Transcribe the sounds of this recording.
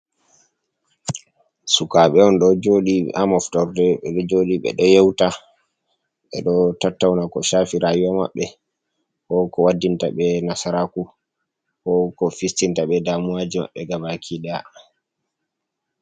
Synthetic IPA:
sukaɓɛɔnɗɔd͡ʒoːɗiʔamɔftɔɾdɛɓɛɗɔd͡ʒoːɗiɓɛ̰ɗɔjɛwta | ɓɛ̰ɗɔtatːawnakɔʃafiɾaːjuwama̰ɓːɛ | hɔkɔwadːintaɓɛnasaɾaku | hɔkɔfistintaɓɛdaːmuwad͡ʒima̰ɓːɛɡabakʰiɗɛa̰

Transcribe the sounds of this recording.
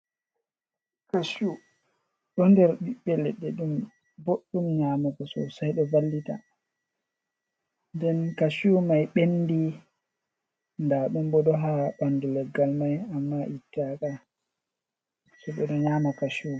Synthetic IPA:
kaʃu | ɗɔndɛɾɓiɓːɛlɛɗːɛɗum | boɗːumɲaːmɔkɔsɔ̰sajɗɔvalːita̰ | ndɛnkaʃumajɓenːdi | ndaɗumɓɔɗɔɦaɓanːdilɛɡalmajamːaʔitːaka | sɔɓɛɗɔɲaːmɔkaʃu

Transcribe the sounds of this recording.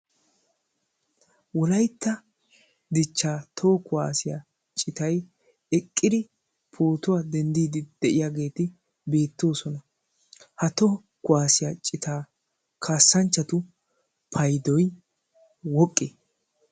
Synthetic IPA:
wɔlɐjt̪ːɐ | d̪ɪt͡ʃːaːt̪ʰoːkʊwaːsɪja̰ | t͡ʃʼɪt̪ɐj | ɛkʼːɪd̪ɪ | pʰoːt̪ʊwad̪ɛnd̪iːd̪ɪd̪̥ɛʔɪjaɡe̞ːt̪ɪ | be̞ːt̪ːo̞ːsɔnɐ | hɐt̪o | kʊwaːsɪjat͡ʃʼɪt̪aː | kʰaːsːɐnt͡ʃːɐt̪ʊ | pʰɐjd̪ɔj | wɔkʼːeː

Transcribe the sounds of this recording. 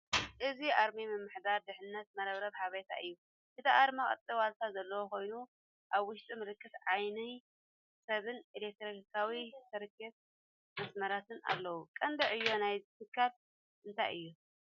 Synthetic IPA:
ʔɨziʔaɾmimɨmːɨħd̪aɾd̪ɨħɨnːɐt̪̚mɐɾɐβɾɐβhaβɐjt̪ʰa̰ʔɨjːu | ʔɨt̪ʰiʔaɾmaχʼɐ̰t̪ʼːiwalt̪ʰazɐlːɐwoko̞jnu | ʔaβwʊʃt̪ʼimɨlɨkːɨt̪ʕajnɨ | sɐβɨnilek̚t̪ɾonikʰawisʰɐɾɨkʰːɐt̪̚ | mɐsmɐɾat̪ʰɨna̰lːɐwukʼɐnd̪ɐʕɨjːo̞najzt̪ʰɨkʰːal | ʔɨnt̪ʰa̰jɨ̰jːu

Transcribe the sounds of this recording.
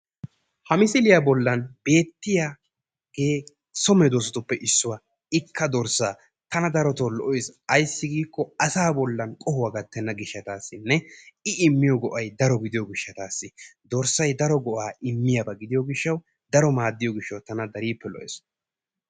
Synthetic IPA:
hɐmɪsɪlɪjabɔlːɐnb̥e̞ːt̪ːɪja | ɡ̥eː | sɔmɛd̪oːsɔt̪ʊpːɛʔɪsːʊwa | ɪkːɐd̪ɔɾsaː | t̪ɐnɐd̪ɐɾɔt̪olɔʔɔesɐjsːɪɡiːkːɔɐsaːbɔlːɐnkʼɔhʊwaɡɐt̪ːɛnːɐɡɪʃːɐt̪aːsːɪnːɛɪɪmːɪjɔɡɔʔɐjd̪ɐɾɔɡɪd̪ɪjɔɡɪʃːɐt̪aːsːɪd̪ɔɾsɐjd̪ɐɾɔɡɔʔaːɪmːɪjɐbɐɡɪd̪ɪjɔɡɪʃːɐw | d̪ɐɾɔmaːd̪ːɪjɔɡɪʃːɐwt̪ɐnɐd̪ɐɾiːpːɛlɔ̰ʔḛs

